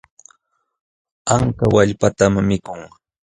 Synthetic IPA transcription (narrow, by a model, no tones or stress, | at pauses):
aŋkawaʎpat̪amːɪkʊŋ